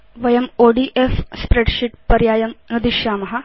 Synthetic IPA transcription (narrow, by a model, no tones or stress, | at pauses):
ʋɐjɐmoːɖiːʔefspɾeɖʃiʈpɐɾjaːjɐmnud̪iʃjaːmɐɦɐ